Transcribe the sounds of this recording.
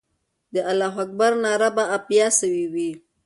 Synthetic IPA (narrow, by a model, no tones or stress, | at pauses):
d̪əʔalaɦak̚baɾnaɾabaapjasəwiwi